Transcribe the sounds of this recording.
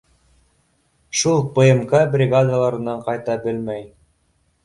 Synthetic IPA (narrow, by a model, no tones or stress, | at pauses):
ʃulˠpɤ̆jɤmkɑbrʲɪɡad̪alˠɑɾɤ̆nɑɴqɑjt̪ɑbɘlmæj